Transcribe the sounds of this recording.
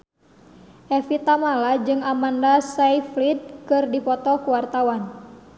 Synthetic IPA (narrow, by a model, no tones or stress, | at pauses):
ʔɛfit̪amalad͡ʒɨŋamandasajflit̪̚kɨrdipɔt̪ɔkuwart̪awan